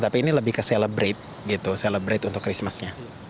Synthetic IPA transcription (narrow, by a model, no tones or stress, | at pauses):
t̪apiːniləbɪhkəseləbɾet̪̚ | ɡit̪useləbɾet̪unt̪ʊkːɾismasɲa